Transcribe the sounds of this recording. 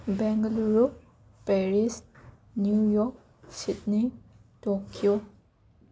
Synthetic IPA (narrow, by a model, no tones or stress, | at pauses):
bɛŋɡɐluɾo | pɛɾis | njujɔk̚ | sit̚nitokʰio